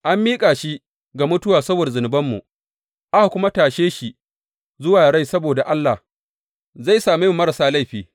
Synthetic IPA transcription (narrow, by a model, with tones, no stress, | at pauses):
ʔa˦mːiː˦kʼaː˨ʃi˦ | ɡa˨mʊ˦tʊ˦waː˨sɐ˦boː˨dzʊ˨nɪ˨bɐ˦mːu˨ | ʔa˦ha˨kʷʊ˦ma˦taː˨ʃeː˦ʃi˨ | zʊ˦waː˨ɽa˦jsɐ˦boː˨da˨ʔa˦lːa˨h | za˦˨jsaː˨mu˦jɪ˦mːɐ˦ɾa˨saː˦la˦jɸiː˨